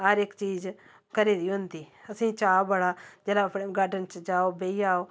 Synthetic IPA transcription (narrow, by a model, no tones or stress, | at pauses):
ɦəɾɪkt͡ʃiːz | kəɾiːd̪iːɦʊ̃nd̪iːəsĩːt͡ʃaːobəɽaːd͡ʒeːlaːpʰɽɡaːɖənt͡ʃd͡ʒaːoːbeːiːaːoː